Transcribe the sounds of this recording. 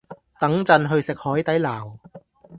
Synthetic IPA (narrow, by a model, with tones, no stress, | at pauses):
t̪ɐ˨˥ŋt͡sɐ˧nɦɵ˧ɥsɪ˨k̚hɔː˨˥jt̪ɐ˨˥jlaː˨˩w